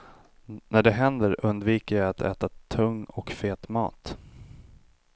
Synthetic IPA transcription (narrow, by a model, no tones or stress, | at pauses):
næɖɛɦɛnd̪əɾɵnd̪viːkəjajat̪ʰɛ̰ːt̪at̪ʰɵŋːɔ̰kfeːt̪mɑ̰ːt̪